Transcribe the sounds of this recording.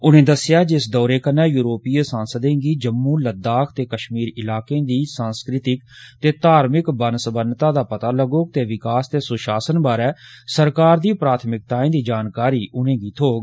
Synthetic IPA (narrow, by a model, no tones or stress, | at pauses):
ʊnẽːd̪əsɪjaːd͡ʒɪsd̪ɔːɾeːkənːɛːjuːɾoːpiːəsãːnsəd̪ẽːɡiːd͡ʒəmːũːləd̪aːkʰt̪eːkəʃmiːɾɪlaːkẽːd̪iːsãːnskɾɪt̪ɪkt̪eːt̪aːɾmɪkbənsəbənt̪ãːd̪aːpət̪aːləɡoːk̚t̪eːʋɪkaːst̪eːsʊʃaːsənbaːɾɛːsəɾkaːɾd̪iːpɾaːt̪ʰmɪk̚t̪aːẽːd̪iːd͡ʒaːnkaːɾiːʔʊnẽːɡiːt̪ʰoːɡ